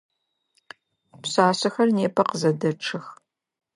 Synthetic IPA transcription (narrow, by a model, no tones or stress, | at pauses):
psaːsɐxɐrneːpʰɐqəzɐdɐʈ͡ʂʰɨx